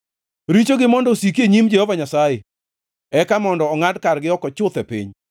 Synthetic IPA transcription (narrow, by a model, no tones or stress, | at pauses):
ɾit͡ʃoɡɪmɔndɔsik̬eɲimd͡ʒehovaɲasaje | ɛkamɔndɔːŋadkarɡɪɔkɔt͡ʃʊt̪ɛpḭɲ